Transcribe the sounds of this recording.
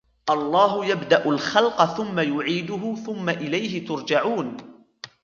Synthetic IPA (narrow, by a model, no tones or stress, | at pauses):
ʔɑlˤːɑːɦʊjabd̪aʔʊlxɑlqɑθʊmːajʊʕiːd̪ʊɦʊθʊmːaʔɪlajɦɪt̪ʊɾˤd͡ʒaʕuːn